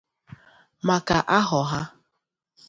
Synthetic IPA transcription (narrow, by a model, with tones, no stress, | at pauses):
ma˨ka˨ʔa˦ɦɔ˨ɦa˦